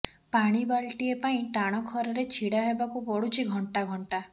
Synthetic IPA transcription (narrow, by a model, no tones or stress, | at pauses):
paɽ̃ibaɭʈiepaĩʈaɽ̃ɔkʰɔɾɔɾet͡ʃʰiɽaɦebakubɔɽut͡ʃʰiɡʱɔɳʈaɡʱɔɳʈa